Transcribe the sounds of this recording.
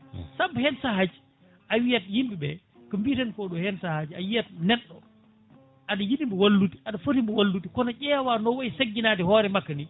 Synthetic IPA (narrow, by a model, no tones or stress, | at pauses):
sabːhɛnsahad͡ʒi | ʔawijatjimbibɛ | kəmbitɛnkɔɗɔhɛnsahad͡ʒiajijat̚nɛɗːɔ | ʔaɗajiɗimbɛwalːuti̥ʔaɗafotimbɛwalːutikɔnat͡ʃɛwanɔwajsaɡːinatihɔːɾɛmakːani